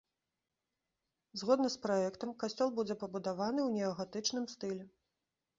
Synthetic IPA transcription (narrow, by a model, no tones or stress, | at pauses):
zɣɔd̪nɐspɾaɛkt̪ɐmkasʲt͡sʲɔlˠbud͡zʲɛpɐbud̪avanɨwnʲɛɐɣat̪ɨt͡ʂnɨmst̪ɨlʲɛ